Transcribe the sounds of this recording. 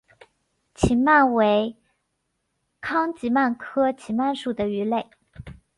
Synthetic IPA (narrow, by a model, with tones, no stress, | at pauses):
t͡ɕʰi˧˥nma˥˩nwe˧˥ɪ | kʰɑ˥ŋt͡ɕi˧˥ma˥˩nkʰɤ˥t͡ɕʰi˧˥nma˥˩nʂu˨˩d̪ə˦y˧˥le˥˩ɪ